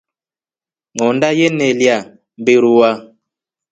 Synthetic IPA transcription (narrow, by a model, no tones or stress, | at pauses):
ŋɔndajenɛlja | mbeɾuwa